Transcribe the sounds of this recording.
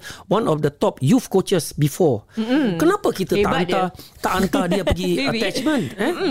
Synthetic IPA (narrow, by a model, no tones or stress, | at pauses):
wãnɔfdət̪ɔp̚jufkot͡ʃəsbifɔkənapakit̪ət̪aʔanat̪aʔant̪ad̪iaəɡiət̪ɛt͡ʃmə̃nɛ̃